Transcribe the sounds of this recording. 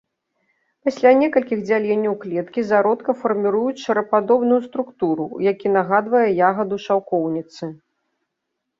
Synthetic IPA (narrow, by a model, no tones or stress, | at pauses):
pasʲlʲanʲɛkɐlʲkʲiɣd͡zʲalʲɛnʲːɐwklʲɛt̪kʲizaɾɔt̪kɐfɐrmʲiɾujut͡sʲʂɐɾɐpad̪ɔbnujust̪ɾukt̪uɾujakʲinaɣad̪vɐjɛjaɣɐd̪uʂawkɔwnʲit̪sɨ